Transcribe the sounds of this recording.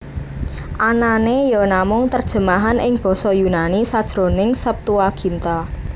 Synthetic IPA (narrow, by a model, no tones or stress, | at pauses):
ʔananejɔnamʊŋt̪ərd̥ʒ̥ə̤maɦanʔɪŋb̥ɔ̤sɔjunanisad̥ʒ̥ɾo̤nɪŋsəp̚t̪uwaɡ̥i̤nt̪a